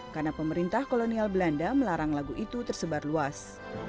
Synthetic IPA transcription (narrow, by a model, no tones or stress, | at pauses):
karnapəməɾint̪ahkolonialbəlandaməlaɾaŋlaɡuʔit̪ut̪ərsəbarluas